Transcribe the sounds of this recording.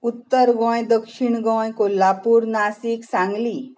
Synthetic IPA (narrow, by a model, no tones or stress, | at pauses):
ut̪ːəɾɡɔ̃jd̪əkʂiɳɡɔ̃jkolːapuːɾnasiksãŋɡli